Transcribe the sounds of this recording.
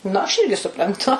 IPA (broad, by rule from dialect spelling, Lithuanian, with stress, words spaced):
ˈnʊ ɐʃ ˈɪrʲɡʲɪ sʊprɐnˈtʊ